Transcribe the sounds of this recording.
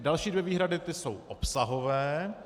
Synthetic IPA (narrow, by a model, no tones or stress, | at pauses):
dalʃiːdvjɛviːɦɾadɪt̪ɪsowʔopsaɦo̞vɛː